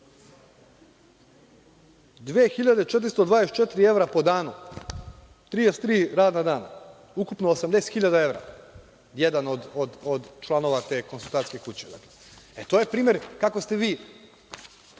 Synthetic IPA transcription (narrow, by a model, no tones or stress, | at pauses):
d̪ʋeːxiʎad̪et͡ʃe̞t̪̬ɾist̪od̪ʋaːd̪eset̪t͡ʃet̪iɾie̞ʋɾapo̞d̪aːnu | t̪ɾid̪est̪ɾiːɾaːd̪nad̪aːna̰ | ukupnoːsamd̪e̞se̥t̪xiʎad̪ae̞ʋɾa̰ | jed̪anod̪od̪od̪t͡ʃlˠano̞ʋat̪e̞ːko̞nsulˠt̪aːt̪ke̞kut͡ɕed̪a̰kle | et̪o̞ːje̞pɾiːmeɾkako̞st̪e̞ʋiː